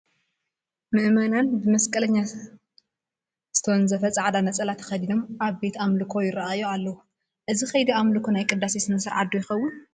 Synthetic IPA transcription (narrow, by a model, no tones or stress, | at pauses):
mɨʔmɐnanbɨmɐskʼɐlɐɲːa | z̥ɨ̥t̪ʰɐwnzɐfɐt͡sʼaʕd̪anɐt͡sʼɐlat̪ʰxɐd̪inomʔaβbe̞t̪amlɨkʰo̞jɪɾɐajoalːɐwu | ʔɨzixɐjd̪iamlɨkʰonajkʼɨd̪ːasisɨnɐsɐɾʕa̰d̪ujɪxɐwːʊn